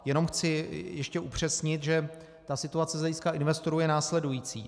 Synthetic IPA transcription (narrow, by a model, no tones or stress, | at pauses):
jɛno̞mxt͡sɪjɛʃcɛʔupr̝̥ɛsɲɪt̪ʒɛ | t̪asɪt̪uat͡sɛzlɛjiskaʔɪnvɛst̪o̞ɾuːjɛnaːslɛdujiːt͡sḭː